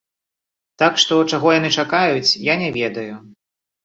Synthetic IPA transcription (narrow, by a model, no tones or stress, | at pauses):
t̪akʂt̪ɔt͡ʂaɣɔjan̪ɨt͡ʂakajut͡sʲjanʲɛvʲɛd̪ɐju